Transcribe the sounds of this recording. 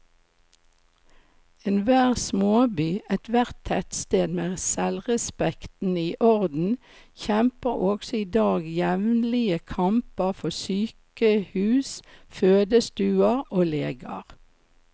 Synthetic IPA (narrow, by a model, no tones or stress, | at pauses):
eːnʋæːʁsmoːbyːɛt̪ʰʋæʁt̪ʰːɛt̪st̪eːd̪meːsɛlʁɛspɛkt̪n̩iːʔɔʁd̪n̩ | çɛmpəʁɔɡsɔiːd̪ɑːɡjɛʋnlɪəkʰɑmpəʁfɔsyːkəhʉːsføːd̪əst̪ʉːɑʁoːleːɡɑ̰ʁ